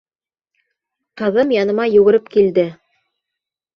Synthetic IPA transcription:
qɤ̆ðɤmjɑnɤ̆mɑjŭɡɘ̆ɾɘpkild̪ɘ

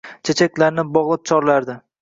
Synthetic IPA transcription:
t͡ʃʰet͡ʃʰak̚ʲlaɾnɪbɒʁlˠɪp̚t͡ʃʰɒɾlaɾd̪ɪ

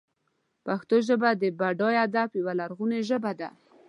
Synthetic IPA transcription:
paxt̪oʒəbad̪əbaɖɑjad̪apjawalaɾɣuneʒəbad̪a

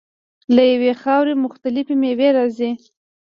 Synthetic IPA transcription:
lajawexɑwɾemʊxt̪alɪfemeweɾɑzi

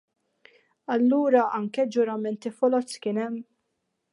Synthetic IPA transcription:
ɐlːuːɾɐʔɐŋkɛd͡ʒʊɾɐmɛnt̪ifɔlɔt͡sːkɪnɛmː

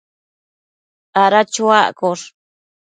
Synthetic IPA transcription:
aɾat͡ʃuaʔkoɾ

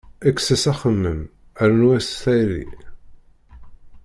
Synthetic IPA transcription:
ækːsəsæχəmːəm | æɾnwæsθæjɾḭ

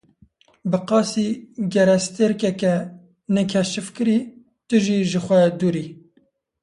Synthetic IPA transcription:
bɨqɑːsiɡɛɾɛst̪eɾkɛkɛ | nɛkʰɛʃɨfkɨɾi | t̪ɨʒiʒɨxʷɛd̪uːɾiː

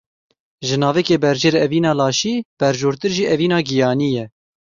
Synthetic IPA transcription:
ʒɨnɑːvɛkeːbɛɾd͡ʒeɾɛviːnɑːlɑːʃiːb̥ɛɾʒoːɾt̪ɨɾʒiːʔɛviːnɑːɡijɑːnijɛ

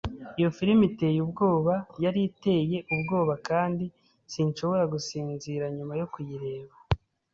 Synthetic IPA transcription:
ijo̞fiɾimite̞jubɡo̞ːβajaɾite̞je̞ʔubɡo̞ːβakaːndi | sinʃo̞βo̞ɾaɡusiːnziɾaɲumajo̞kujiɾe̞ːβa

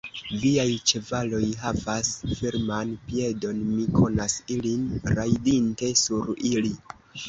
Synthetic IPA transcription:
viajt͡ʃe̞valo̞jɦavasfiɾmanpie̞do̞nmikʰo̞nasilinɾajdinte̞suɾili

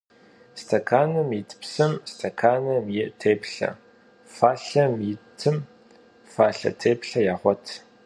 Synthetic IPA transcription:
stʰɐkʰaːnɐmjitʰpsɨmstʰɐkʰaːnɐmjɪʔtʰeːpɬɐ̰ | faːɬɐmjɪtʰɨm | faːɬɐ̰tʰeːpɬɐjaːχʷɔtʰ

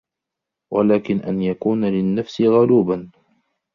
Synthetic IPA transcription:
walaːkɪnʔa̰njakuːnalɪnːafsɪɣʊluːban

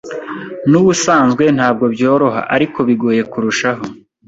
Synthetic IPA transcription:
nuβusaːnzɡwe̞n̥haːb̚ɡo̞bjo̞ːɾo̞ɦa̰ʔaɾiko̞βiɡo̞ːje̞kuɾuʃaɦo̞

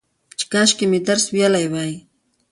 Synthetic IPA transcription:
t͡ʃkaʃkɪmɪt̪aɾsbjalajwaj

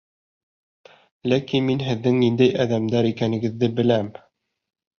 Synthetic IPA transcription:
lækinminɦɘ̆ðːɘŋnind̪æjʔæðæmd̪æɾikænɘ̆ɡɘ̆ðːɘbɘ̆læm

